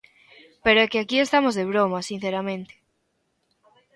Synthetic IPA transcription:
peɾoekeakie̞st̪amozðeβ̞ɾomasin̟θeɾamẽnt̪e̥

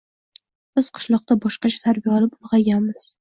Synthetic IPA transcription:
b̥ɪz̥qʰɨ̥ʃlˠɒq̚t̪abɒʃqɑt͡ʃʰḁt̪ʰaɾbijaɒlɪpʊlˠʁɑɡʲanmɪz̥

